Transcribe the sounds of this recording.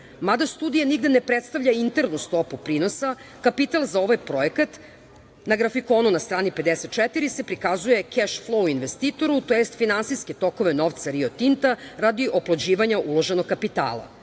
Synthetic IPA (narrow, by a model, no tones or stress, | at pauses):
mad̪ast̪uːd̪ijaniɡd̪enepɾet̪st̪avʎaint̪e̞ɾnust̪opupɾiːno̞sakapit̪alˠzao̞ʋajpɾo̞ekat̪ | naɡɾafiko̞ːnunast̪ɾaːnipe̞d̪eset̪̚t͡ʃɛt̪iɾise̞pɾikazuje̞keʃflˠouinʋest̪iːt̪o̞ɾut̪ojest̪finansiske̞t̪o̞ko̞ʋe̞no̞ʋt̪saɾio̞t̪int̪aɾad̪iʔoplod͡ʑiːʋaɲaʔulo̞ʒenoɡ̚kːapit̪a̰ːlˠa̰